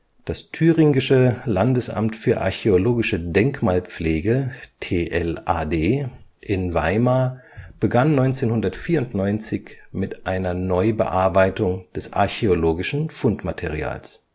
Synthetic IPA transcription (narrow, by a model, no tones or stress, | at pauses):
d̥astʰyːʁɪŋɪʃəlandəsʔa̰mtfyːɐʔa̰ɐçeoloːɡɪʃədɛŋkmaːlp͡fleːɡətʰeːʔɛlʔaːdeː | ʔɪnva̰ɪmaːb̥əɡanːɔʏnt͡seːnhʊndɐtfiːɐʊntnɔʏnt͡sɪçmɪtʔaɪnɐnɔʏbə̰ʔaɐbaɪtʊŋd̥ɛsʔa̰ɐçeoloːɡɪʃn̩fʊntmatʰeʁia̰ːls